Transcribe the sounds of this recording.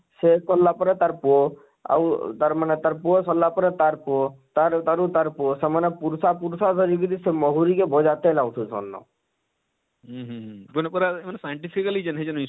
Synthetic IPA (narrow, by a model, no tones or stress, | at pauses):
sesɔlːapɔɾet̪aɾpuo | a̰wt̪aɾmanet̪aɾpuosɔlːapɔɾet̪aɾpoot̪aɾt̪aɾut̪aɾpuosemanepuɾsapuɾsad̪ʱɔɾik̬id̪isemɔɦuɾikebɔd͡ʑat̪elawt̪ʰusɔ̰nːɔ̰ | ɦɦɦbonepuɾaemanesajɳʈifʰikalid͡ʒɛnɦed͡ʒɛnĩ